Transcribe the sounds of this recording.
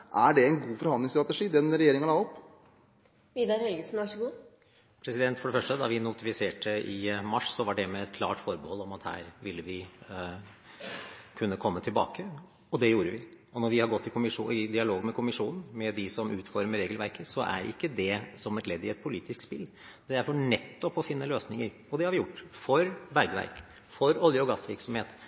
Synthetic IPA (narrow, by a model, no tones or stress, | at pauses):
ʔæɖɛɛnɡuːfɔɾhɑnd̪lɪŋst̪ɾɑt̪əʂiːd̪ɛnɾɛjeːɾɪŋɑlɑːɔpː | ʋiːd̪ɑɾhœlɡəsn̩ʋɑʂəɡuː | pʰɾɛsɪd̪ɛnt̪fɔɖɛfœʂʈəd̪ɑʋɪnʊt̪ɪfɪseːʈəʔɪmɑʂsɔʋɑɖɛmɛɛt̪kʰlɑ̰ːʈfɔɾbəhɔlːɔmɑt̪hæ̰ːɾʋɪlːəʋɪ | kʰʉnːəkʰɔmːət̪ʰɪlbɑ̰ːkə | ɔd̪ɛjuːɾəʋɪ | ɔnɔɾʋɪhɑɾɡɔt̪ːɪkʰʊmɪʂuːɪd̪ɪɑloːɡmɛkʰʊmɪʂuːnn̩mɛd̪ɪsɔmʉːt̪fɔɾməɾeːɡəlʋæɾkəsɔʔæ̰ɾɪ̰kːəd̪ɛsɔmɛt̪lɛd̪ːɪɛt̪̚pʰʊliːt̪ɪsk̪spɪl | d̪̥ɛæɾfɔɳɛt̪ːɔpɔfɪnːəløːsnɪŋəɾ | ɔd̪ɛhɑɾʋɪjʊʈːfɔɾbæɾɡəʋæ̰ɾk | fɔɾɔljəɔɡɑsʋɪɾksɔmheːt̪